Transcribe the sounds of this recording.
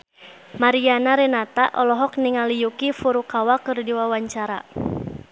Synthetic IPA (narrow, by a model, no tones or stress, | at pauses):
maɾianaɾɛnat̪aʔɔlɔɦɔk̚niŋalijukifuɾukawakɨrdiwawaɲt͡ʃaɾa̰